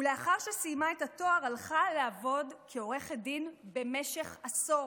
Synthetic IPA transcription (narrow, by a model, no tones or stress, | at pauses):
uleaχaʁʃesijmaetato̞aʁalχaleavo̞dkʰeo̞ʁe̞χedinbe̞me̞ʃe̞χaso